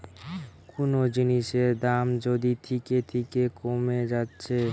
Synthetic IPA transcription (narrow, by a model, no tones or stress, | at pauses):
konod͡ʑiniʃeɾd̪amd͡ʑod̪it̪ʰitket̪ʰikekomed͡ʑatːɕʰe